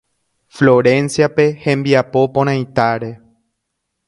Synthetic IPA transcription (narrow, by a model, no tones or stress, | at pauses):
flo̞ɾẽ̞nsjape̞hẽ̞mbiapo̞põɾ̃ãjt̪aɾe